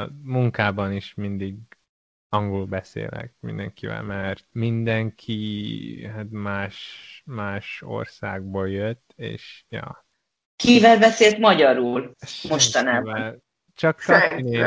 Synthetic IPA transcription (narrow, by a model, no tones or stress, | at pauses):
muŋkaːbɒniʃmind̪iɡ | ɒŋɡulbɛsḛːlɛ̰k̚mḭnd̪ɛ̰ŋkivɛ̰lmɛrt̪mind̪ɛŋkʰi | ɦat̪maːʃmaːʃo̞̰rsa̰ːɡ̚boːljøt̪ːḛːʃjɒ̰ː | kivɛlbɛseːlt̪mɒɟɒɾulmoʃt̪ɒnaːbɛl | t͡ʃɒksɒkne